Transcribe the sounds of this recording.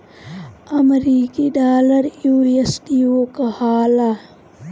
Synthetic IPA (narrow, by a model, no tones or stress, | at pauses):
ɐmɾiːkiɖaːləɾjuːɾiesʈiokɐhaːlaː